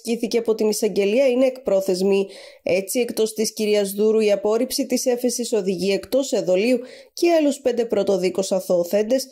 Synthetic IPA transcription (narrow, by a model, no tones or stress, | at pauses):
ciθiceɐpo̞t̪inisɐɲɟe̞liɐine̞ːkpɾo̞θe̞zmie̞t͡sie̞kt̪o̞st̪isciɾiɐzðuɾuiɐpo̞ɾipsit̪ise̞fe̞siso̞ðiʝie̞kt̪o̞seðo̞liu | ceɐluspe̞nd̪e̞pɾo̞t̪o̞ðikosɐθo̞ːθe̞nd̪e̞s